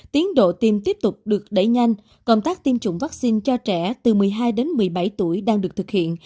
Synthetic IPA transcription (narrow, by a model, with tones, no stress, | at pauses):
t̪i˨˦ənɗo̰˧˨t̪i˧˩mt̪i˦˥əp̚t̪ʊ˨˩k͡p̚ɗɨ˨˩ək̚ɗə̰˧˩˨jɲa˧jŋ̟ | kə˧wŋ͡mt̪aː˦˥k̚t̪i˧mt͡ɕʊ̰˧˩ŋ͡mva˦˥k̚si˧nt͡ɕɔ˧t͡ɕɛ˧˩t̪ɨ˨˩mɨ˨˩əjɦaː˧jɗe˨˦nmɨ˨˩əjɓa˧˩jt̪u˧˩əjɗaː˧ŋɗɨ˨˩ək̚t̪ʰɨ˨˩k̚hḭ˧˨ən